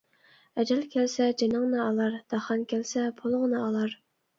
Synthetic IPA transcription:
ɛd͡ʒɛlkʲʰælsɛd͡ʒenɨŋnɨɑlˠɑɾd̪̥ɑχɑnkʲʰælsɛpʰolˠŋnɨɑlˠɑɾ

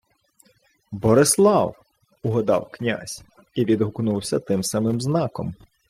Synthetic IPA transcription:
bɔɾɪslˠɑw | uɦɔd̪ɑ̰wknʲa̰sʲ | iʋʲid̪ɦʊknuwsʲɐt̪ɪmsɑmɪmznɑkɔ̰m

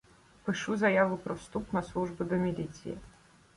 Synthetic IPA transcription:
pɨʂuzɐjavɨpɾɔst̪upnɐslˠuʐbɨd̪ɔmʲɪlʲit̪sɨ̰jɛ̰

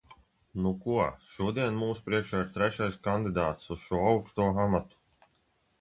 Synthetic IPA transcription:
nukuɔʃuɔd̪iɛnmuːspɾiɛkʃaːiɾt̪ɾɛʃajskand̪id̪aːt̪susʃuɔawkst̪uːɔamat̪u̥

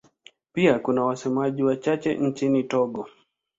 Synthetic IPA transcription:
piakunawasɛmaʄiwat͡ʃat͡ʃɛ̰ɲ̩t͡ʃinitɔɡɔ

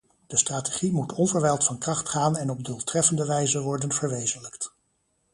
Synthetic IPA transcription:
d̥əstraːteχimutʰɔnvəɹʋɛjlˠtfɑnkrɑχtχaːnɛnɔb̚doːlˠtrɛfəndəʋɛjzəʋɔɹdənvəɹʋejzənləkt

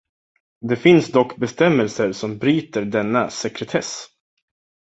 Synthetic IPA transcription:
d̪ɛfɪnsd̪ɔkːbɛst̪ɛmːɛlsəɾsɔmbɾyːt̪əɖɛnːasɛkɾɛt̪ʰɛs

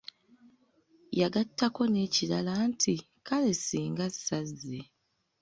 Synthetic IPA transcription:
jaɡatːako̞ne̞ːcilalaːntʰi | kale̞siːŋɡasːazːe

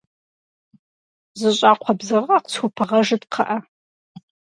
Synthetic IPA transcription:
zɨɕʼaːqʷʰɔbzɨʁɐqt͡sʰupʰɨʁɐʒɨdqʰɐʔɐ

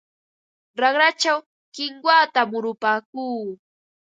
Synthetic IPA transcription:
ɾɑχɾat͡ʃaw | kɪŋkwaːt̪amʊɾʊpaːkuː

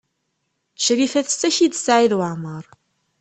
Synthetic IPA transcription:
ʃɾifæθsæçid̪sʕiðwəʕməɾˤ

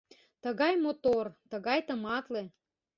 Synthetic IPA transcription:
t̪əɣɑjmot̪ort̪əɣɑjt̪əmɑt̪le

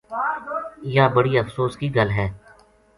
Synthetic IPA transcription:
jaːbəɽiəfsoːskiɡɐlɦɛː

